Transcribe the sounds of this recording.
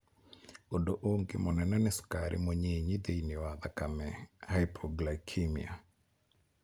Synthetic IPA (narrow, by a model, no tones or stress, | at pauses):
odoʔoŋɡɪ̰mɔnɛnɛnɛskaɾʔɪ̰moɲeɲid̪ejinɪwad̪akamɛhajpʰɔɡlakʰimḭa̰